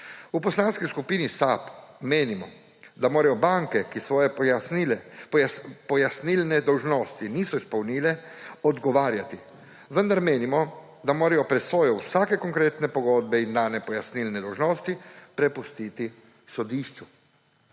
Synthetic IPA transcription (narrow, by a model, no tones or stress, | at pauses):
upɔslaːnskiskupiːnisapmeːnimɔ | d̪amoːɾajɔbaŋkɛkisʋɔːjɛjasnilɛ | pɔjasnilnɛd̪ɔwʒnoːst̪iniːsɔispɔwnilɛɔd̪ɡɔʋaːɾjat̪i | ʋənd̪aɾmeːnimɔ | d̪amoːɾajɔpɾɛsoːjɔwsaːkɛkɔŋkɾeːt̪nɛpɔɡoːd̪̚bɛind̪aːnɛpɔjasnilnɛd̪ɔwʒnoːst̪ipɾɛpust̪iːt̪i | sɔd̪iːʃt͡ʃu